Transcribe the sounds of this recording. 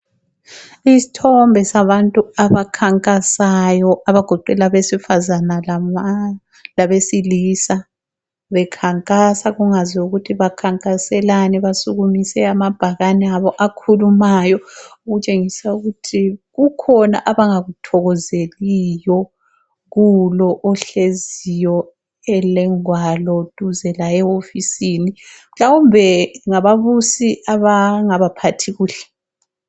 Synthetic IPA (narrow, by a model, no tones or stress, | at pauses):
isi̥tʰɔmbʱɛsaβantʼuaβakʰaŋkʼasajɔʔaβaɡ̥ʱɔǃɛlaβesifazanal | laβesilisa | βɛkʰaŋkʼasaɣuŋaziuɣutʰiβakʰaŋkʼasɛlanɛβasuɣumisɛamab̥ʱaɣanɛaβɔʔakʰulumajɔuɣut͡ʃʼeŋisauɣutʰiɣukʰɔna̰ʔaβaŋaɣutʰɔɣɔzelijɔ | ɣulɔʔɔɬezijɔ | ɛlɛŋwalɔtʼuzɛlaɛofisinimɬawumbʱɛŋaβaβusiaβaŋaβapʰatʰiɣuːɬɛ̥